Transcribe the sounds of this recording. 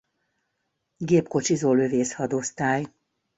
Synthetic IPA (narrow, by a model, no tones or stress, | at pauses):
ɡeːpko̞t͡ʃizoːløveːshɒd̪ost̪aːj